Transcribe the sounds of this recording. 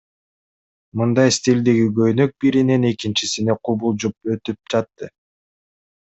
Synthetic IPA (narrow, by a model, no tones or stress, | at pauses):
mɯnd̪ɑjst̪ʲilʲd̪iɡiɡø̞jnø̞k̚biɾine̞ne̞kint͡ʃisine̞qʰubulˠd͡ʒup̚ø̞t̪yp̚d͡ʒɑt̪ːɯ